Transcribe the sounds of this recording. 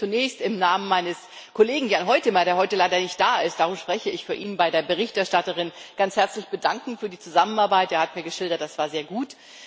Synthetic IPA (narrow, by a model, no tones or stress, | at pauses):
t͡sunɛːçstɪmnaːmənmaɪnəs | kʰoleːɡŋ̩janɦɔʏtəɪmaɾeːɐɦɔʏtəlaɪdɐnɪçt̚d̥aːʔɪst̚d̥aʁumʃpʁ̥ɛçəɪçfyːɐʔiːnənbaɪdeːɐbəʁ̞ɪçtɛɐʃtatəʁ̞ɪnɡ̥ant͡shɛɐt͡slɪçb̥ədaŋkŋ̩fyːɐdiːt͡suzamənaɐbaɪtʔeːɐhatmiːɐɡəʃɪldɐt̚d̥asv̥aːɐzeːɐɡuːt